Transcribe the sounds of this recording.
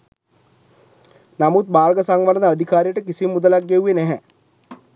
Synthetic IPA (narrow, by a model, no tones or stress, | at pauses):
namut̪̚baːɾɡəsaŋʋald̪əad̪ʱikaːɾijəʈəkisimːud̪əlaɡːeuʋenæɦɛ